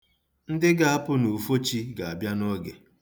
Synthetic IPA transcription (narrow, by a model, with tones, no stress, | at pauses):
n̩˦dɪ˦ɡa˨a˦pʊ˦no˨fo˦t͡ʃi˦ɡa˨a˨bja˦nɔ˦ɡḛ˨